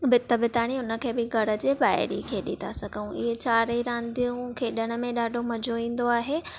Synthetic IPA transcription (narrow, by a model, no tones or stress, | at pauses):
bɪt̪əbɪt̪aːɽ̃iʊnə̆kʰeːbɪɡʱɐɾə̆d͡ʑeːbaːɪ̰ɾḭkʰeːɗɪ̰t̪a̰sɐɡʱəũʔɪ̰ɦet͡ɕaːɾiɾãːnd̪ijũkʰeːɗəɽ̃ʊ̆mẽɗaːɖʱomɐd͡ʑoĩːn̆d̪oaːɦeː